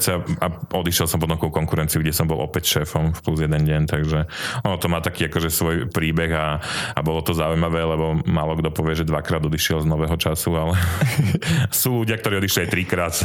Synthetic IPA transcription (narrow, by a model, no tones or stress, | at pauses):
t͡sɛaʔɔd̪iʃjɛlsɔmpɔt̪ɔ̃mkɔʊkɔŋkuɾɛnt͡siuɡɟɛsɔmbɔlˠʔɔ̰pɛcʃɛːfɔmfpluzjɛd̪ɛnɟɛnt̪aɡʒɛɔnɔt̪ɔmaːt̪akiːakɔʒɛsʋɔjpɾiːbɛɣaa̰bɔlɔt̪ɔzaujmaʋɛːlɛbɔmaːlɔɡd̪ɔpɔʋɪɛʒɛd̪ʋakɾaːd̪ɔd̪iʃɪɛlznɔʋɛːɦɔt͡ʃasualɛ | suːluɟɪakt̪ɔɾiːɔd̪iʃliat̪ɾikɾaːt̪